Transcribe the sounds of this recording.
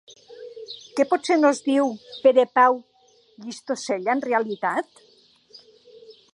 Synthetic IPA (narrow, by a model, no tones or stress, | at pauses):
kepɔt̪senozðiwpeɾepaw | ʎist̪oseʎaenrealit̪at̪